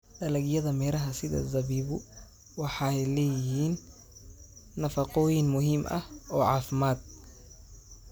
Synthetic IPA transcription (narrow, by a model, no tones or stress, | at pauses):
ɗɐlɐɡjɐðɐmɛːlɐɦɐsɪðɐ̰zɐβiːβʊ | wɑħɑjlɛjɪhiːn | ɐfɑqɔːjɪnmʊɦɪmʔɐ̰hɔːʕɑːfmaːd̪̚